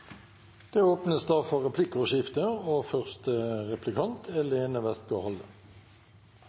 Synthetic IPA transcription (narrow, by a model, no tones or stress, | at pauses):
d̪̥eːoːpnəsd̪æʁfɔʁɛpʰlɪkʊʃɪft̪əoːfœʁst̪əʁɛplɪkʰɑnt̪ʰɛleːnəʋɛst̪ɡohɔlə